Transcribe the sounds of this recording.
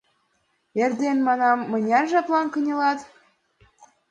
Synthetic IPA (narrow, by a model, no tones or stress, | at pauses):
ĕrd̪enmɑnɑmːɤ̆nʲɑrʒɑplˠɑnkɤ̆nʲɤ̆lɑt̪